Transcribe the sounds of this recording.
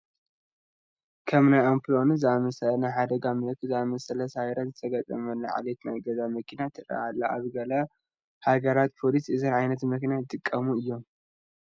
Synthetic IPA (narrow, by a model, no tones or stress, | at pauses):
kʰɐmnajampʰɨlo̞nzɨamɐsɐlɐnajħad̪ɐɡamɨlɐkʰːɨzɨamɐsɐlɐsajɾazɨt̪ʰɐɡɐt̪ʼɐmɐlːɐʕa̰let̪najɡɐzamɐkʰinat̪ʰɨɾa̰ʔalːaaβɡɐla | haɡɐɾat̪̚pʰo̞lisɨzɐnʕajnɐt̪mɐkinaɨt̪ʼɨkʼːɐmuɨjːo̞m